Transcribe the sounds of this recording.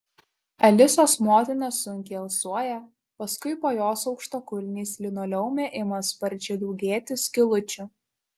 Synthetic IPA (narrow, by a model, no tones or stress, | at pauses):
ɛlʲɪsoːsmoːt̪ʲɪnɐsʊŋʲkʲɛɐlˠsuɔjɛ | pɐskʊɪpoːjoːsɒʊkʃt̪oːkʊlʲnʲiːslʲɪnoːlʲɛʊmʲeːʔɪmɐspɐɾʲt͡ʃʲɛd̪ɔʊɡʲeːt̪ʲʊsʲkʲɪlˠʊt͡ʃʲʊ